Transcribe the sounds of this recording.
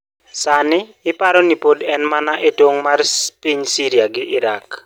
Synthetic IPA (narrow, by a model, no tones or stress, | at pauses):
sanɪɪpaɾɔnipodɛnmanaʔetwoŋmarpiɲsiɾiaɡɪʔɪɾak